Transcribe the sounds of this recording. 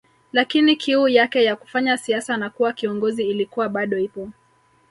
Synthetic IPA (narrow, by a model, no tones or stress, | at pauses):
lakinikʰiujakɛjaku̥faɲasiasanakuwakiɔŋɡɔziːlikuwaɓaɗɔipɔ